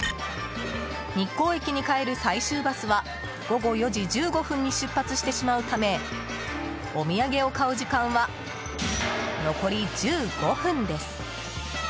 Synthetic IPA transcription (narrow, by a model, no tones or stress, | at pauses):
ɲ̟ikːo̞ːekʲiɲ̟ikae̞ɾɯ̟saiɕɨːbasɨβa | ɡ̥o̞ɡo̞jo̞d͡ʑid͡ʑɨːɡo̞ɸɯ̟̃ɲ̟ːiɕɨpːat͡sɨɕi̥t̪e̞ɕimaɯ̟t̪ame̞ | o̞mʲiaɡe̞o̞kaɯ̟d͡ʑikãɰ̃βa | no̞ko̞ɾʲid͡ʑɨːɡ̥o̞ɸɯ̟̃nd̪e̞sɨ̥